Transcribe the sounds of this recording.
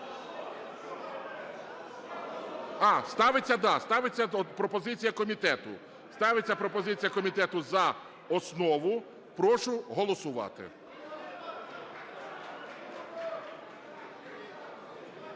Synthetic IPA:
ɑst̪ɑʋɪt͡sʲːɐd̪ɑst̪ɑʋet͡sʲːɐpɾɔpɔzɪt͡sʲijɐkɔmʲit̪ɛt̪ʊ̰ | st̪ɑʋet͡sʲːɐpɾɔpɔzɪt͡sʲijɐkɔmʲit̪ɛt̪ʊzɐ | ɔsnɔʋʊ | pɾɔʃʊɦɔlˠɔsʊʋɑ̰t̪ɪ̰

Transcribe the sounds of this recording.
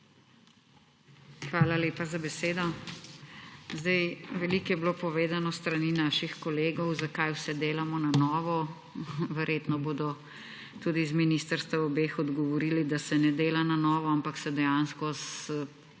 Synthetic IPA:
xʋaːlaleːpazabɛseːd̪ɔ | zd̪ajʋɛliːkjɛbloːpɔʋeːd̪anɔst̪ɾaniːnaːʃixkɔleːɡɔwzakajwsɛd̪eːlamɔnanɔːʋɔ | ʋɛɾjeːt̪nɔboːd̪ɔ | t̪uːd̪izminist̪əɾst̪ʋaɔbeːxɔd̪ɡɔʋɔɾiːlid̪asɛnɛd̪eːlananɔːʋɔampaksɛd̪ɛjanskɔs

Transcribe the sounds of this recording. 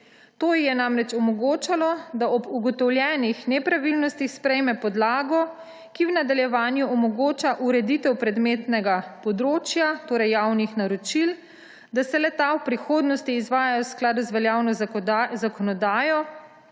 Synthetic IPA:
t̪oːjjɛnamɾɛt͡ʃɔmɔɡoːt͡ʃalɔd̪aɔbuɡɔt̪ɔwljɛːnixnɛpɾaʋilnɔst̪ixspɾɛjmɛpɔd̪laːɡɔ | kiwnad̪aljɛʋaːnjuɔmɔɡoːt͡ʃaʔuɾɛd̪it̪ɛwpɾɛd̪meːt̪nɛɡapɔd̪ɾoːt͡ʃjat̪oːɾɛjːawnixnaɾɔt͡ʃil | d̪asɛlɛt̪awpɾixoːd̪nɔst̪iːzʋaːjajɔwsklaːd̪uzʋɛljaːwnɔzakɔnɔd̪aːjɔ

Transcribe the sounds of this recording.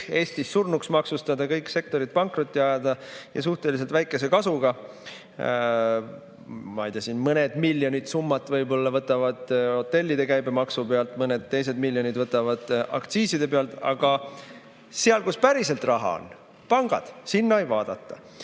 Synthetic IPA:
e̞ːst̪isːurnuksmɑksust̪ɑd̪ɑkɤjkse̞k̚t̪o̞ɾit̪̚pɑŋkrot̪ʲːˑiɑjɑd̪ɑjɑ̰s̬uht̪e̞lis̬e̞lt̪væjkːˑe̞se̞kɑsuɡ̥ɑ | mɑejd̪ɑsinmɤne̞d̪̥milʲːjo̞nʲid̪sumːɑt̪ːˑvɤjbo̞lːɑvɤt̪ːˑɑvɑd̪̥o̞t̪ːe̞lʲːid̪̥e̞kæjbemɑksupeɑlt̪ˑmɤne̞d̪t̪ːe̞js̬e̞d̪milʲjo̞nid̪vɤt̪ːˑɑvɑd̪̥ɑ̰kt̪siːsid̪e̞peɑlt̪ɑ̰ɡ̥ɑ | seɑlkuspæɾise̞lt̪rɑɦɑ̰o̰n | pɑŋɡ̥ɑ̰d̪̥sinːɑejvɑːd̪̥ɑt̪ːˑɑ

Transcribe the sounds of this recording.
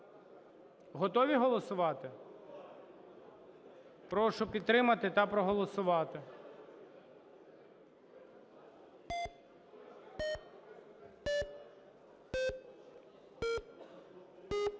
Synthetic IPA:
ɦɔt̪ɔʋʲiɦɔlˠɔsʊʋɑt̪ɪ | pɾɔʃʊpʲid̪t̪ːɾɪmɐt̪ɪt̪ɐpɾɔɦɔlˠɔsʊʋɑt̪ɪ

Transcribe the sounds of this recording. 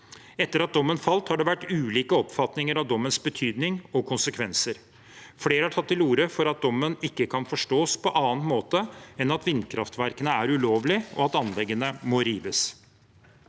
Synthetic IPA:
ɛt̪ːəɾɑt̪̚d̪ɔmːənfɑlt̪hɑɖɛʋæʈːʉːliːkəɔpfɑt̪nɪŋəɾɑʋd̪ɔmːənsbət̪ʰyːd̪nɪŋɔkʰʊnsəkʰʋɛnsəɾ | fleːɾəhæʈʰɑt̪ːɪluːɾəfɔɾɑt̪̚d̪ɔmːənɪkːəkʰɑnfɔʂʈoːspʰɔʔɑːnmoːt̪əɛnɑt̪ʋɪnːkʰɾɑft̪ʰʋæɾkənəæɾʉloːʋlɪɔ̰ɑt̪ɑnlɛɡənəmɔɾiːʋəs

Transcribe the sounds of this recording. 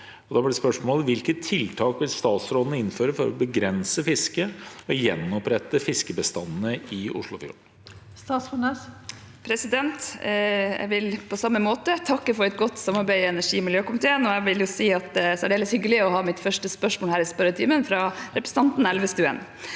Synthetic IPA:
ɔd̪ɑblɪɖɛspœʂmoːlʋɪlkət̪ʰːɪlt̪ʰɑːkʋɪlst̪ɑːt̪sɾoːd̪nəɪnføːɾəfɔɾɔ̰bəɡɾɛnsəfɪskəɔjɛnːɔpɾɛt̪ːəfɪskəbəst̪ɑnn̩əɪʊ̰ʂɭʊfjṵːɳ | st̪ɑːt̪sɔnəs | pʰɾɛsɪd̪ɛnt̪ | ɛ̰ʋɪlpʰɔsɑmːəmoːt̪ət̪ʰɑkːəfɔɾɛt̪̚ɡɔt̪ːsɑmɑɾbæɪɛnæʂiːmɪljøːkʊmɪt̪ʰeːənɔɛʋɪljʊsiːɑt̪sɛɖeɛləshʏɡəlɪɔɦɑːmɪt̪fœʂʈəspœʂmoːlhæːɾɪspœɾət̪ʰiːmənfɾɑɾɛpɾəsəɑnt̪n̩ɛlʋəst̪ʉɛ̰n

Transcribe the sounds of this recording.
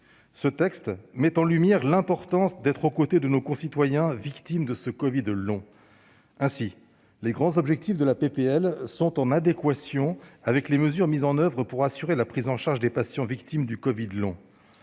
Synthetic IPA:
sət̪ɛkst̪mɛt̪ɑ̃lymjɛʁlɛ̃pɔʁt̪ɑ̃sd̪ɛt̪χokot̪ed̪ənokɔ̃sit̪wajɛ̃vikt̪imd̪əsəkɔvid̪lɔ̃ | ɛ̃si | leɡʁɑ̃zɔbʒɛk̚t̪ifd̪əlapepeɛlsɔ̃t̪ɑ̃nad̪ekwasjɔ̃avɛkleməzyʁmizɑ̃nœvʁəpuʁasyʁelapχizɑ̃ʃaʁʒd̪epasjɑ̃vikt̪imd̪ykɔvid̪lɔ̰̃

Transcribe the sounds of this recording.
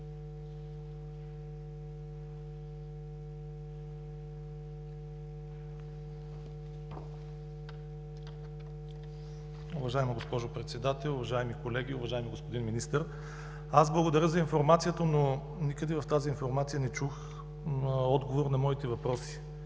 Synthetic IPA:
ʊvɐʒaimɐɡospɔʒopɾɛt̪sɛd̪at̪ɛlˠʊvɐʒaimikolɛɡʲiʊvɐʒajmiɡospod̪inminist̪əɾ | azblˠɐɡod̪ɐɾəzɐinfoɾmat̪sijət̪əno | nikəd̪ɛvɐft̪azinfoɾmat̪sijənɛt͡ʃux | ɔd̪ɡovoɾnɐmɔit̪ɛvɐpɾɔsi̥

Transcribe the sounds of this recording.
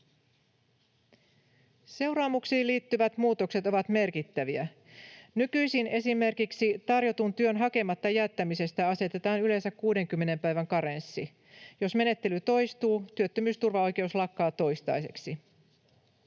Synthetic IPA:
se̞wɾɑːmuksiːliːt̪ːyʋæt̪muːt̪o̞kse̞t̪o̞ʋɑt̪me̞rkit̪ːæʋiæ | nykyjsine̞sime̞rkiksit̪ɑrjo̞t̪unt̪yønɦɑke̞mɑt̪ːɑjæt̪ːæmise̞st̪æɑse̞t̪e̞t̪ɑːnyle̞nsækkuːde̞ŋkymːe̞ne̞mpæjʋæŋkɑɾensːi | jo̞sme̞ne̞t̪ːe̞lyt̪o̞jst̪uːt̪yøt̪ːømyːst̪urʋɑo̞jk̟e̞uslɑkːɑːt̪o̞jst̪ɑ̰jse̞̰ksi

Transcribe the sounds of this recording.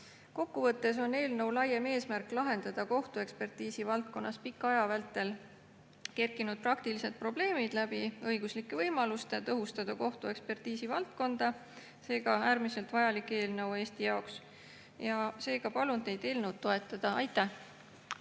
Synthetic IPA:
ko̞kːuvɤt̪ːˑe̞s̬o̞nːe̞ːlnɤwlɑjeme̞ːsmærkːˑlɑɦe̞nd̪̥ɑd̪̥ɑko̞ht̪ue̞kspe̞rt̪iːsivɑlt̪̚ko̞nːɑspikːˑɑjɑvælt̪ːˑe̞l | ke̞rkːˑinud̪̚prɑkt̪ilise̞d̪̥̚pro̞ble̞ːmid̪̥læb̥iɤjɡuslikːevɤjmɑlust̪et̪ɤɦust̪ɑd̪̥ɑko̞ht̪ue̞kspe̞rt̪iːsivɑlt̪̚ko̞nd̪̥ɑ | se̞ːɡ̥ɑæːɾmise̞lt̪vɑjɑlikːˑe̞ːlnɤwe̞ːst̪ijɑoks | jɑse̞ːɡ̥ɑpɑlund̪ne̞jd̪̥e̞ːlnɤ̞wd̪ːo̞e̞t̪ːˑɑd̪̥ɑɑjt̪ːˑæh

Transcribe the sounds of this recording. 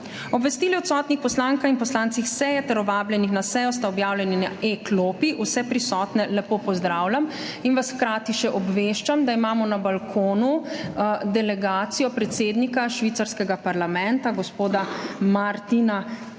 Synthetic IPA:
ɔbʋɛst̪iːliɔt̪sɔːt̪nixpɔslaːŋkaxinpɔslaːnt̪sixsɛjɛt̪ɛɾɔʋaːbljɛnixnasɛjɔst̪aɔbjaːwlʲjɛninaʔekloːpiʔusɛpɾisɔːt̪nɛlɛpoːpɔzd̪ɾaːwlʲam | inʋasxkɾaːt̪iʃɛʔɔbʋeːʃt͡ʃamd̪aimaːmɔnabalkʰoːnu | d̪ɛlɛɡaːt̪sijɔpɾɛt̪seːd̪nikaʃʋiːt̪saɾskɛɡapaɾlamɛ̃nt̪aɡɔspoːd̪amaɾt̪ina

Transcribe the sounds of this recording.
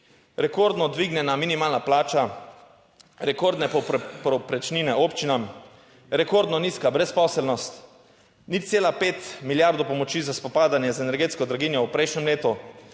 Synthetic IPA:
ɾɛkoɾd̪nɔd̪ʋiɡnʲɛnaminimaːlnaplaːt͡ʃa | ɾɛkoɾd̪nɛpɔpɾɔpɾɛt͡ʃniːnɛopt͡ʃinam | ɾɛkoɾd̪nɔniskabɾɛspɔːsɛlnɔst̪ | nit̪seːlapeːt̪miljaɾd̪opɔmɔt͡ʃizaspɔpaːd̪anjɛzɛnɛɾɡeːt̪skɔd̪ɾaɡinjɔwpɾɛjʃnʲɛmleːt̪u

